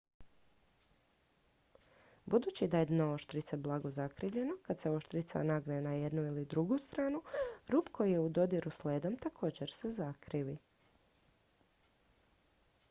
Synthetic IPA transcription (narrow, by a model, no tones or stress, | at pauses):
bud̪uːt͡ɕid̪aed̪nooʃt̪ɾit̪seblˠaɡo̞zakɾiʋʎe̞no̞kad̪seo̞ʃt̪ɾit̪sa̰naɡnenaje̞d̪nuilid̪ɾuɡust̪ɾaːnuɾuːpko̞jijeud̪o̞d̪iɾusleːd̪omt̪akʰo̞ːd͡ʑe̞ɾsezakɾiʋi